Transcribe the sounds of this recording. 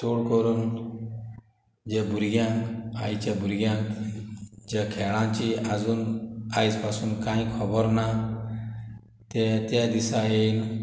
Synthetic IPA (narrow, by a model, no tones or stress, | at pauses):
t͡ʃoɽkɔɾun | d͡ʒebuɾɡãa̰ːit͡ʃabʊɾɡjã | d͡ʒekʰɛːɭãt͡ʃiazunaːispasunkãːĩkʰɔbəɾna | t̪et̪ad̪isajen